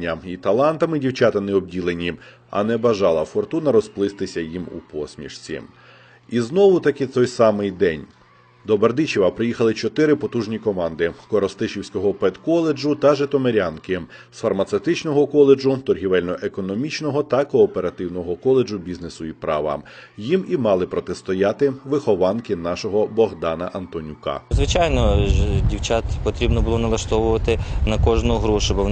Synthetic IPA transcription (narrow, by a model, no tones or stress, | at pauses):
ɐit̪ɐlˠɑnt̪ɐmɪdʲiwt͡ʃɑt̪ɐnɪɔbdʲilˠenʲi | ɐ̰nɛbɐʒɑlˠɐfɔrt̪unɐɾɔsplˠɪst̪ɪsʲɐjimṵpɔsʲmʲḭʃt͡sʲḭ | iznɔʋʊt̪ɐkɪt̪ɔjsɑmɪjd̪ɛnʲ | d̪ɔbɐrd̪ɪt͡ʃiʋɐpɾɪjixɐlˠɪt͡ʃɔt̪ɪɾɪpɔt̪uʒnʲikɔmɑnd̪ɪkɔɾɔst̪ɪʃiwsʲkɔɦɔpɛt̪kɔlˠed͡ʒʊt̪ɐʒet̪ɔmeɾʲɑnkɪ | sfɐrmɐt̪sewt̪ɪt͡ʃnɔɦɔkɔlˠed͡ʒʊt̪ɔrɦʲiʋɛlʲnɔʔekɔnɔmʲit͡ʃnɔɦɔt̪ɐkɔːpe̞ɾɐt̪ɪwnɔɦɔkɔlˠed͡ʒʊbʲiznesʊipɾɑ̰ʋɐ̰jimimɑlˠɪpɾɔt̪est̪ɔjɑt̪ɪʋɪxɔʋɑnkɪnɑʃɔɦɔbɔɦd̪ɑnɐʔɐnt̪ɔnʲukɑ̰zʋɪt͡ʃajnɔdʲiwt͡ʃɑt̪pɔt̪ɾʲibnɔbʊlˠɔnɐlˠɐʃt̪ɔʋʊʋɐt̪ɪnɐkɔʒnʊɦɾuʃɪbɪ